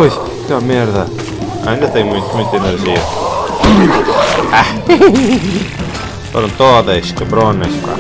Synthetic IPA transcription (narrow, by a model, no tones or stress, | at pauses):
pojʃ | kɛmɐmɛɾðɐ | ɐ̰ĩnd̪ɐt̪ẽj̃mũj̃t̪umũj̃t̪ɐeneɾʒiɐ | a | foɾɐ̃w̃t̪oðɐʃkɐβɾonɐʃpa̰